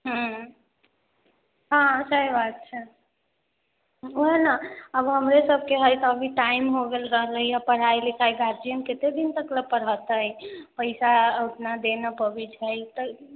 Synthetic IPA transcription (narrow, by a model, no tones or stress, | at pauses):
ɦ | ɦãsəibat̪̚t͡ʃʰe | oɦenaəbɦəmɾesəb̚ʱkeɦəjt̪əbʱiʈaimɦoɡelɾəɦləijapəɽ̤ajlikʰajɡʱad͡ʒiənket̪ed̪int̪əkləpəɽ̤ət̪əjpəɪsauʈnad̪enəpəbit͡ʃʰəjt̪ə